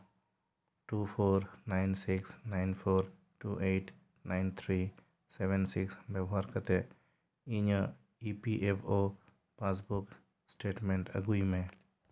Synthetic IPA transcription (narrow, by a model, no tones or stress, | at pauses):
ʈuːpʰoːɾnaɪnsɪksnaɪnpʰoːɾ | ʈuːʔeʈ | naɪnt̪ʰɾi | seʋensɪksbjəɡɦaɾkət̪e | iɲə | ipiʔepʰo | pasbʊk | sʈeːʈmẽɳʈə̰ɡuimẽ